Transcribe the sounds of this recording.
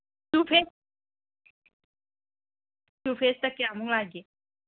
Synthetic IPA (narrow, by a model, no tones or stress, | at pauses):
sufes | sufest̪əkːeamuŋlaɡe